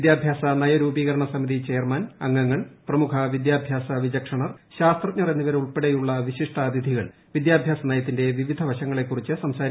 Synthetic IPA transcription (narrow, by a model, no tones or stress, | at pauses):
d̪jaːbʱjaːsɐnɐjɐɾuːbiːɣɐɾɐɳɐsɐmiðit͡ɕe̞ːrmɐnɐŋːɐŋːɐɭprɐmukʰɐʋid̪jaːbʱjaːsɐʋid͡ʑɐkʂɐɳɐrɕaːst̪rɐt̪̚ɲurenːiʋɐɾeuɭpe̞ɽejuɭːɐʋiɕiʂʈɐd̪id̪ʱiɣɐɭ | ʋid̪jaːbʱjaːsɐnɐjɐt̪ːinde̞ʋiʋid̪ʱɐʋɐɕɐŋːɐɭe̞kːurit͡ɕːɨsɐmsaːɾ